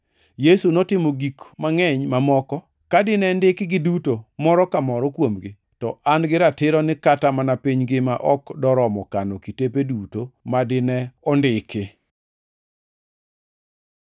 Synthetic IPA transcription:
jesunotɪmoɡikmaŋɛɲmamɔkɔ | kadɪnɛndɪkɪɡɪdutomɔɾɔkamɔɾɔkwomɡɪ | tɔʔanɡɪɾatɪɾɔnɪkatamanapiɲɡɪmaʔɔkdɔɾɔmɔkanɔkitepedutomadɪnɛɔndɪkɪ

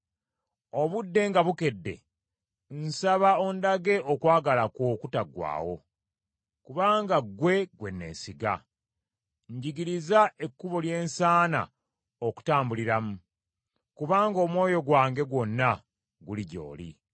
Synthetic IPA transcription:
o̞βudːe̞ŋɡaβuke̞dːe̞̰ | n̩saβaondaɡe̞ʔokwaːɡalakoːkutaɡwa̰ːwo̞̰ | kuβaːŋɡaɡwe̞ɡwe̞nːe̞̰ːnsiɡa̰ | ɲɟiɡiɾizaʔe̞kːuβo̞lje̞ːnsaːna̰ | oku̥taːmbuliɾamu | kuβaːŋɡo̞ːmwo̞ːjo̞ɡwaːŋɡe̞ɡwo̞nːa | ɡuliɟo̞̰ːlḭ

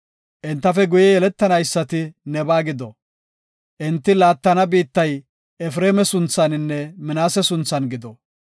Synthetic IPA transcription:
ʔɪnt̪ːɐfɛɡʊjɛjɛlɛt̪ːɐnɐjsːɐt̪ɪnɛbaːɡɪd̪ɔ | ʔɪnt̪ːɪlaːt̪ːɐnɐbiːt̪ːɐj | ɛfɾeːmɛsʊnt͡sːɐnɪnːɛmɪnaːsɛsʊnt͡sːɐnɡɪd̪ɔ

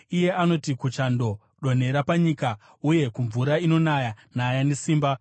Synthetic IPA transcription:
ije̞ʔano̞tikut͡ʃando̞ | ɗo̞n̤e̞ɾapaɲika | uje̞kuɱvuɾaino̞najanajanesiːmba

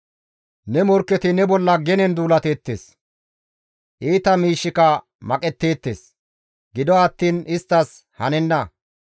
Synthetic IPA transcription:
nɛmɔɾkːɛt̪ɪnɛbɔlːɐɡɛnɛnd̪uːlɐt̪e̞ːt̪ːḛːs | ʔiːt̪ɐmiːʃːɪkɐ | mɐkʼɛt̪ːe̞ːt̪ːḛːs | ɡɪd̪ɔɐt̪ːiːnɪst̪ːɐs | hɐ̰nɛnːɐ

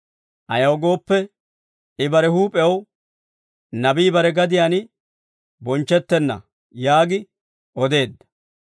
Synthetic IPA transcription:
ʔɐjɐwɡo̞ːpːɛ | ɪbɐɾɛhuːpʼɛw | nɐbiːbɐɾɛɡɐd̪ɪjaːnɪ | bɔnt͡ʃːɛt̪ːɛnːɐ̰ | jaːɡɪ | ʔɔd̪e̞ːd̪ːɐ̥

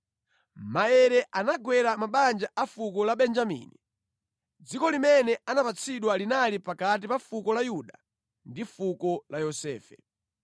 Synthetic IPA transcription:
maɛɾɛʔanaɡwɛɾamaɓand͡ʒaʔafukɔlaɓɛnd͡ʒamḭːni | d͡zikɔlimɛnɛanapat͡sʰiɗwalinalipakat̬ipafukɔlajuɗa | ndifukɔlajɔsɛːfɛ̰

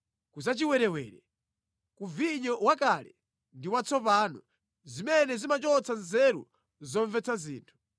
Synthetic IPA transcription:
kuzat͡ʃiwɛɾɛwɛ̰ːɾɛ | kuviɲɔwakalɛ̰ | ndiwat͡sʰɔpaːnɔ | zimɛnɛzimat͡ʃɔt͡sanzɛɾṵ | zɔɱvɛt͡sʰazḭːntʰu̥

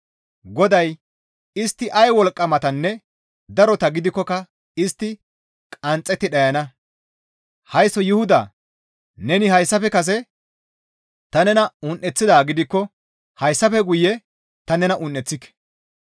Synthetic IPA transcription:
ɡɔd̪ɐj | ɪst̪ːɪʔɐjwɔlkʼːɐmɐt̪ɐnːɛ | d̪ɐɾɔt̪ɐɡɪd̪ɪkːɔkɐ | ɪst̪ːɪ | kʼɐnt͡sʼːɛt̪ːɪɗɐjɐnɐ | hɐjsɔjɪhʊd̪ɐ̰ | nɛnɪhɐjsːɐpɛkɐs̬ɛ | t̪ɐnɛnɐʊnʔɛt͡sːɪd̪aːɡɪd̪ɪkːɔ | hɐjsːɐpɛɡʊjːɛ | t̪ɐnɛnɐʔʊnːɛt͡sːɪkːɛ̥

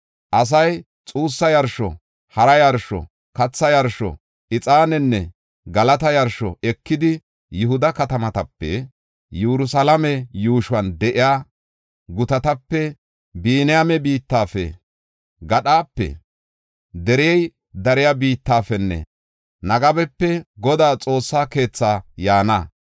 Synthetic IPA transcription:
ʔɐs̬ɐj | t͡sʼuːsːɐjɐɾʃɔ̰ | hɐɾɐjɐɾʃɔ̰ | kɐt͡sːɐjɐɾʃɔ̰ | ʔɪt͡sʼaːnɛnːɛ | ɡɐlɐt̪ɐjɐɾʃɔɛkːɪd̪ɪ | jʊɦʊd̪ɐkɐt̪ɐmɐt̪ɐpːɛ̰ | juɾʊsɐlɐmɛjuːʃʊwɐnd̪ɛʔɪjaː | ɡʊt̪ɐt̪ɐpːɛ | biːnɪjamɛbiːt̪ːaːfɛ̰ | ɡɐɗaːpːɛ̰ | d̪ɛɾɪjɛj | d̪ɐɾɪjabiːt̪ːaːfɛnːɛ̰ | nɐɡɐbɛpːɛɡɔd̪aːt͡sʼo̞ːsːaːke̞ːt͡sːaːjaːnɐ

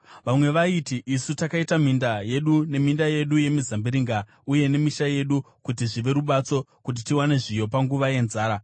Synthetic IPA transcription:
ʋamwe̞ʋaitiʔisutakaitam̤indaje̞ɗune̞mindaje̞ɗuje̞mizambiɾiŋɡa | uje̞ne̞miʃaje̞ɗu | kutiʐiʋe̞ɾuɓat͡so̞kut̬itiwane̞ʐijo̞paŋɡuʋaje̞nzaːɾa

